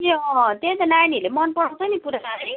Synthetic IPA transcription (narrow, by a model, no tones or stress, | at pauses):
eʌt̪ẽt̪ʌnanilemʌnpʌɽaw̃t̪ʰʌjnipuɾai